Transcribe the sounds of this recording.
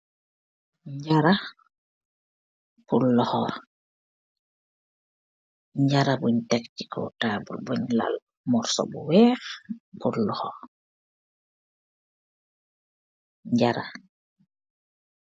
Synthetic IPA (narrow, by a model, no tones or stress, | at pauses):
ɲɟaɾa | pulːɔxɔ | ɲɟaɾabuɲtɛkci̥kɔ̰taːbulbuɲla̰l | mɔɾsɔ̰buwɛːxpulːɔxɔ | ɲɟaɾa